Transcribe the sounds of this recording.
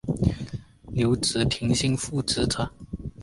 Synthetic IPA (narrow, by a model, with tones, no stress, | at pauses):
ljo˧˥ʊt͡sɹ̩˨˩t̪ʰi˧˥ŋɕi˥ŋfu˥˩t͡sɹ̩˧˥t͡sʰə˨˩˦n